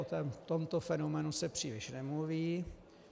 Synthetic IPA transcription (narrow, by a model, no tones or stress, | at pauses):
ot̪ɛmt̪omt̪ofɛnomɛːnusɛpr̥iːlɪʃnɛmluviː